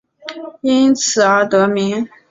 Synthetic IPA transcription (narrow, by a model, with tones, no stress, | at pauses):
i˥nt͡sʰɹ̩˨˩ə˞˧˥t̪ɤ˧˥mi˧˥ŋ